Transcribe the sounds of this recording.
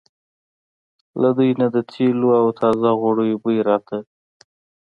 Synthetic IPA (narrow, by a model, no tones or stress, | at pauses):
lad̪ujnad̪ət̪ʰeloawt̪ʰɑzaɣwaɽəjobəjɾɑt̪ʰa